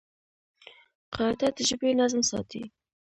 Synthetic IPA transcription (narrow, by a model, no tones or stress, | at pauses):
qɑd̪ad̪əʒəbenazmsɑ̰t̪ḭ